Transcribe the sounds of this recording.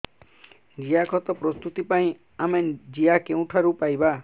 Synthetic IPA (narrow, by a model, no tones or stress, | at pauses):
d͡zijakʰʌt̪ʌprʌst̪ut̪ipaĩ | amand͡zijakew̃ʈʰaɾupajba